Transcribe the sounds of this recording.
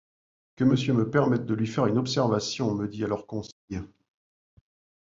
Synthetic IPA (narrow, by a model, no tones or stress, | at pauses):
kəməsjøməpɛʁmɛt̪̚d̪əlɥifɛʁynɔpsɛʁvasjɔ̃məd̪ialœʁkɔ̃sɛj